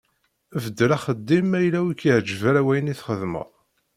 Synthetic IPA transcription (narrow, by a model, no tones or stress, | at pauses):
vəd̪ːɾæχəd̪ːimːæjlæwikːiʕəd͡ʒvæɾæwæjəniθχəðmə̰ðˤ